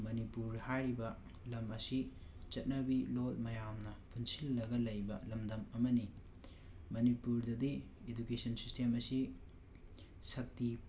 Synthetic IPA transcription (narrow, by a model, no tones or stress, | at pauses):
mɐnipuɾhajɾibɐ | lɐmɐsit͡ʃɐt̚nɐbilot̚mɐjamnɐpʰunsilːɐɡɐlɐjbɐlɐmdɐmɐmɐni | mɐnipuɾdɐdi | edukesɐnsistemɐsi | sɐk̚ti